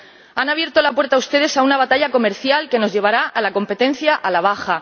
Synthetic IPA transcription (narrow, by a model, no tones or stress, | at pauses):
anaβje̞ɾt̪o̞lapwe̞ɾt̪aust̪e̞ð̞e̞saunaβat̪aʎako̞me̞ɾθjalke̞no̞zʝe̞β̞aɾaʔalako̞mpe̞t̪ẽ̞n̟θjaʔalaβ̞axa